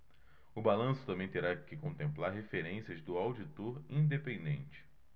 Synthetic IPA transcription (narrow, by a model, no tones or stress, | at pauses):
ʊbalɐ̃sʊ̥t̪ɐ̃mbẽj̃t̪eɾakɪkõnt̪ẽmplaɾɦefeɾẽsiɐzd̪ʊawd͡ʒit̪oɾĩd̪epẽnd̪ẽnt͡ʃɪ̥